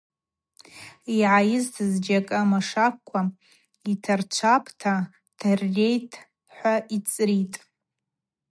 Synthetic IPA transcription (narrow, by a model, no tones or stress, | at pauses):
iʕajɪztʰɨzd͡ʒakʼamaʂakkʷʰːa | itʰart͡ʃʷʰapʰtʰa | tʰarːe̞jtʼʰ | ħʷait͡sʼɾitʼ